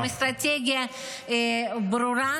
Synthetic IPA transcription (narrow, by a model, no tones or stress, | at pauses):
ɨst̪ɾɐtʲeɡʲɪjɐ | bɾʊɾa